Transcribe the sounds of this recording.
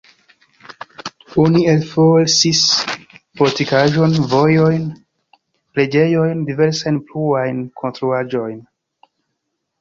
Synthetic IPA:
onielfolsis | potikaʒo̞nvo̞jo̞jn | ple̞d͡ʒe̞jo̞jndive̞ɾsajnpluajnkʰo̞nstɾuad͡ʒo̞jn

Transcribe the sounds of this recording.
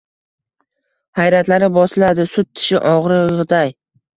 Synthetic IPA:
hajɾat̪laɾɪbɒslad̪ɪsʊt̪ʰːɪ̥ʃɪʔɒʁɾɪʁd̪aj

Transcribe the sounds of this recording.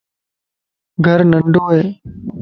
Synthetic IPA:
ɡʱəɾnəɳɖʱoːɦeː

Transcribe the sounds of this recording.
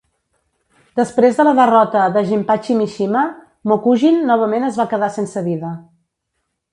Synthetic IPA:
d̪əspɾezðələðərɔt̪əðəʒimpat͡ʃimiʃimə | mokuʒinːɔβ̞əmenəzβakəðasensəβiðə

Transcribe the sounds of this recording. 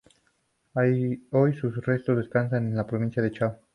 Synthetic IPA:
ajo̞jsusre̞st̪ozðe̞skansanenlapɾoβĩnsjaðet͡ʃaw

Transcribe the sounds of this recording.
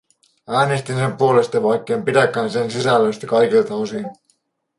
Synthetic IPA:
æːnest̪inse̞mpuo̞lest̪ɑʋɑjkːeːmpid̪ækːˑæːnsensisælːøst̪ækɑjkilt̪ɑosin

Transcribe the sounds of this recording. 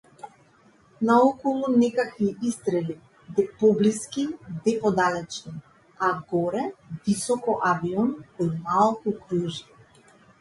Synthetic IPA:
naɔkɔlˠunɛkakviist̪ɾɛli | d̪ɛpɔbliskid̪ɛpɔd̪alɛt͡ʃni | aɡɔɾɛvisɔkɔʔaviɔnɔmalˠkukɾuʒi̥

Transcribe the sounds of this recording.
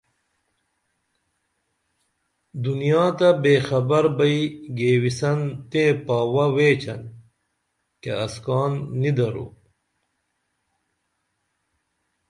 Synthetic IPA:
d̪unijaːt̪ɐbeːxɐbɐɾbɐiɡeːwisɐnt̪ẽpaːwɐweːt͡ɕɐ̰n | kḛɐskɑːnːid̪ɐɾṵ

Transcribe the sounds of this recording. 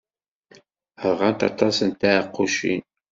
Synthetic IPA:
əɾʁɑnt̪ɑ̰t̪ɑsənt̪æəqːuʃḭn

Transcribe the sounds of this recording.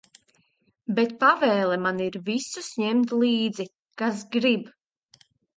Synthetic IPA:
bɛt̪̚pavɛːlˠɛmaniɾvisusɲɛmt̪lˠiːd̪zi | kas̬ɡɾib

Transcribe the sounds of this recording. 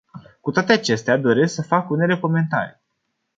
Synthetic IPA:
kut̪oat̪eat͡ʃe̞st̪ead̪o̞ɾe̞sksəfakune̞le̞ko̞me̞nt̪a̰ɾi

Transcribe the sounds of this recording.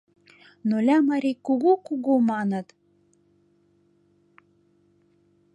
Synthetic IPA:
nolʲæmɑɾʲikuɣukuɣomɑnɤ̆t̪

